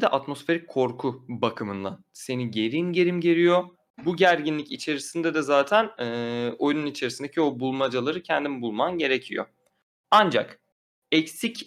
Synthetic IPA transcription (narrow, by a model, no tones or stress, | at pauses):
d̪ɛʔat̪mo̞sfe̞ɾic̚kʰːo̞ɾkʰubakʰɯmɯnd̪anse̞niɟe̞ɾinɟe̞ɾimɟe̞ɾijo̞ | buɟæɾɟinlʲicit͡ʃʰe̞ɾisind̪ɛd̪ɛzaːt̪ʰænːo̞jununit͡ʃʰe̞ɾisind̪ecʰio̞bulˠmad͡ʒalˠaɾɯcʰɛnd̪imbulˠmanɟe̞ɾecʰijo̞̰ | and͡ʒa̰k | ɛcsic